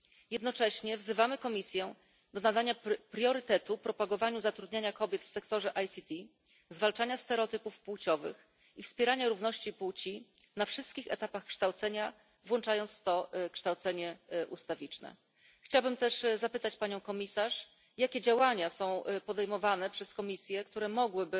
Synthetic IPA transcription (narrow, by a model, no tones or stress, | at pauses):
jɛd̪nɔt͡ʂɛɕɲɛvzɘvamɘkɔmʲisʲjɛ | d̪ɔnad̪aɲapɾʲjɔɾɘt̪ɛt̪upɾɔpaɡɔvaɲuzat̪ɾud̪ɲaɲakɔbʲjɛt̪fsɛkt̪ɔʐɛʔajsʲit̪i | zvalt͡ʂaɲast̪ɛɾɛɔt̪ɘpufpuwt͡ɕɔvɘ̰x | ifspʲjɛɾaɲaɾuvnɔɕt͡ɕiput͡ɕi | nafʂɘst̪kʲixɛt̪apaxkʂt̪awt̪sɛɲa | vwɔnt͡ʂajɔnt̪sft̪ɔkʂt̪awt̪sɛɲɛʔust̪avʲit͡ʂnɛ̰ | xt͡ɕawbɘmt̪ɛʂzapɘt̪at͡ɕpaɲɔ̃w̃kɔmʲisaʂ | jakʲɛd͡ʑawaɲasɔ̃w̃pɔd̪ɛjmɔvanɛpʂɛskɔmʲisʲjɛkt̪uɾɛmɔɡwɘbɘ